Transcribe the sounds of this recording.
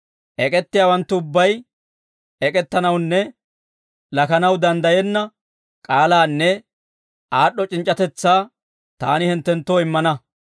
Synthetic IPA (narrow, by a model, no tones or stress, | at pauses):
ʔɛkʼɛt̪ːɪjaːwɐnt̪ːʊʊbːɐj | ʔɛkʼɛt̪ːɐnɐwnːɛ | lɐkɐnɐwd̪ɐnd̪ɐjɛnːɐ | kʼaːlaːnːɛ | ʔaːɗːɔt͡ʃʼɪnt͡ʃʼːɐt̪ɛt͡sːaː | t̪a̰ːnɪhɪnt̪ːɛnt̪ːoːɪmːɐnɐ